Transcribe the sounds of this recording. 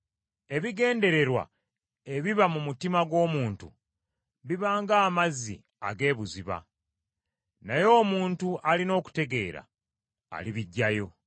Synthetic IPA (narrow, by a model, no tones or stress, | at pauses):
e̞βiɡe̞ːnde̞ɾe̞ɾwa̰ | e̞βiβamumutimaɡwo̞ːmuːntṵ | βiβaːŋɡaːmazḭ | a̰ɡe̞ːβuziβa̰ | najo̞ːmuːntuʔalino̞ːku̥te̞ɡe̞ːɾa̰ː | liβiɟːajo̞